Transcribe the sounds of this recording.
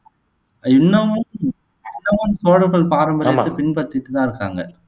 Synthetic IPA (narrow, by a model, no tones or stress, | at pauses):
ɪnːɐʋʊn | ɪnːɐʋʊnsoːɽɐɣɐɭpaːɾɐmbɐɐːɯpɪɳpɐt̪ːɪʈːɯt̪ãːɪɾɯkːa̰ːŋɡɐ̰